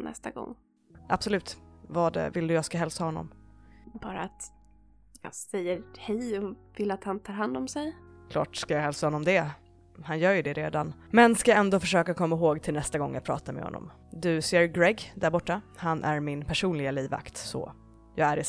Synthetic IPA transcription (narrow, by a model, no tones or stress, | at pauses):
nʔɛ̰st̪aɡɔ̰ŋː | ʔab̥sɔlʉ̟ːt̪vɑd̪ɛ̰vɪld̪ɵjɑːɡskaɦɛlsahɔnːɔ̰mb̥ɑːɾa̰ːt̪ | jɑ̰ːsɛjːəɾhɛjɔvɪlːat̪hant̪ʰɑːɾhand̪ɔmsɛjkʰlɑ̰ːʈskajɑːɦɛlsahɔnːɔmd̪ɛ | hanjœːɾjɵd̪ɛɾḛːd̪anmɛnskajaɛnd̪oːfœʂøːkakʰɔmːaɦoːɡt̪ʰɪlnɛst̪aɡɔŋːjapʰɾɑ̰ːt̪amɛ̰hɔ̰nːɔ̰m | d̪ɵseːɾɡɾɛɡd̪æɾbɔʈːahanʔæɾmɪnpʰæʂuːnlɪɡaliːva̰kt̪sɔ̰ | jɑːɡæɾɪ